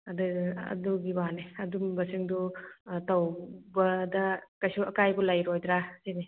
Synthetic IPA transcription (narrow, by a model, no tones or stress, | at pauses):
ɐduɐ̰duɡibaneɐdumbɐsiŋdutawbɐdɐkajsuɐkajbulajɾojdɾasini